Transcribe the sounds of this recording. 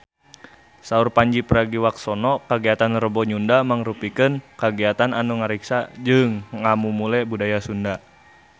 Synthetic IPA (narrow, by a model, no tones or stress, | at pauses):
saurpaɲd͡ʒipəɾaɡiwak̚sɔnɔkaɡiat̪anrəbɔɲundamaŋɾupikənkaɡiat̪ananuŋaɾiksad͡ʒɨŋamumulɛbudajasunda